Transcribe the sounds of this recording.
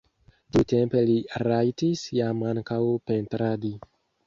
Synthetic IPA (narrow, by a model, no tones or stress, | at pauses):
t̪iwtempeliɾajtisjamaŋkawpent̪ɾadi